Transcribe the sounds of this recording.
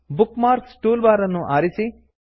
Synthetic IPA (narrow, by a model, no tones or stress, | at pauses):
bukmaːɾssʈuːlbaːɾɐnːuʔaːɾisi